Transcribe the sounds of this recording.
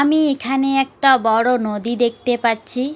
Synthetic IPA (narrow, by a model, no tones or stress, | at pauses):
amiekʰaneɛk̚ʈabɔɽonod̪id̪ek̚ʰt̪epatːɕʰi